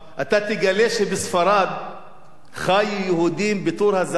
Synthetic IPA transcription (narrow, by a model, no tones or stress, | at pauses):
ʔat̪at̪eɡaleʃebesfaɾad̪ | χajujehud̪imbet̪uɾhaza